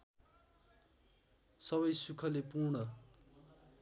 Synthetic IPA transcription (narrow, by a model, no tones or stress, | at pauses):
sʌbʌjsukʰʌlepurɳʌ